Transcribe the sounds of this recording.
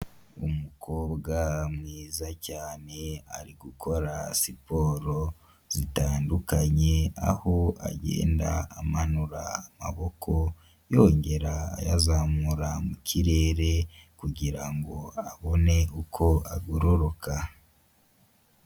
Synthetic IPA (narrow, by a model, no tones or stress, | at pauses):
umukʰo̞ːbɡamŋiːzacaːne̞a̰ɾiɡukʰo̞ɾasipo̞ːɾo̞ | z̥itaːndukaɲe̞a̰ho̞a̰ɟḛːndaːmanuɾaːma̰βo̞kʰo̞ | jo̞ːɲɟe̞ɾa̰ːjazamuɾamucʰiɾe̞ːɾe̞kuɟiɾaŋɡo̞aβo̞ne̞ukʰo̞aɡoɾoɾokʰa